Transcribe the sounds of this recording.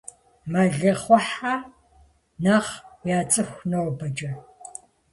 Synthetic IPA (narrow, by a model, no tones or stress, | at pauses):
mɐɮɐχʷɔħa | nɐʁjaːt͡sʼɨxʷnɐwbɐd͡ʒʼɐ